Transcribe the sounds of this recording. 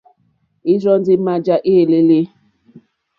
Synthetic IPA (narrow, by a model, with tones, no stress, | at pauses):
i˦zɔ˦n˦dɪ˦ma˦d͡ʒa˦ʔe˦˨le˦le˦